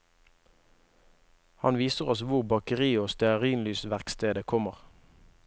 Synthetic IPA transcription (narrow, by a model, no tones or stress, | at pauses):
hɑ̰nʋiːsəʁɔsʋʊʁbɑkəʁiːoːst̪ɛɑʁiːnlyːsʋæʁkst̪eːd̪əkʰɔməʁ